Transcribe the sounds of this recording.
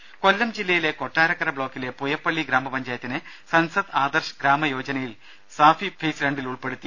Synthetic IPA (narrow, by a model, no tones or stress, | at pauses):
kolːɐmd͡ʑilːɐjile̞ko̞ʈːaːɾɐkːɐɾɐbɭo̞ːkːile̞pujɐpːɐɭːiɡɾaːmɐpɐɲd͡ʑaːjɐt̪ːinɨ | sɐnsɐd̪aːd̪ɐrʂɐɡɾaːmɐjo̞ːd͡ʑɐnɐjil | saːfifʰeːsɾɐɳɖiluɭpeɽut̪ːi